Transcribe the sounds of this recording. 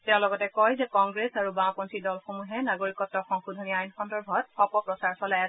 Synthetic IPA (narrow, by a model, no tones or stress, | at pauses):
tɛʊ̃lɔɡɔtɛkɔjzɛkɔŋɡɹesaɹubãpɔntʰidɔlxomuɦɛnaɡoɹikɔtːɔxɔŋxudʱoniajnxɔndɔɹbʱɔtxɔpɔpɹɔsaɹsɔlaja